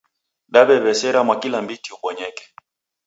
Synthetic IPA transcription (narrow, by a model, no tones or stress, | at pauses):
ɗaɓɛβɛsɛɾamwakilambitiukɔɲɛkɛ̥